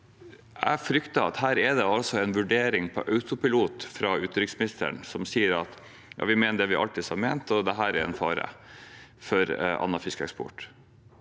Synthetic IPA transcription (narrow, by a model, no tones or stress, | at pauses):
æfɾʏkt̪ɑɑt̪hæːɾɛd̪ɛɑlsɔɛnʋʉɖeːɾɪŋpʰɔ̰ʔɑʉt̪ʊpɪluːt̪fɾɑʉːt̪ːɾʏksmɪnɪst̪ə̰ɳsɔmsiːəɾɑt̪ | jɑ̰ːʋɪmeːnəɖ̪ɛʋɪʔɑ̰lt̪ɪsɑɾmeːnt̪ɔd̪ɛɦæːɾɛɛ̰nfɑːɾə̰ | fɔɾɑ̰nːɑfɪskɛ̰kspʊ̰ʈ